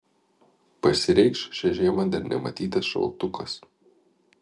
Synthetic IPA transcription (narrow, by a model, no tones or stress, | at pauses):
pɐsʲɪɾʲɛɪkʃʃʲɛʒʲeːmɐd̪ʲɐɾnʲɛ̰mɐ̰t̪ʲiːt̪ɐsʃɐ̰lˠˑt̪ʊkɐs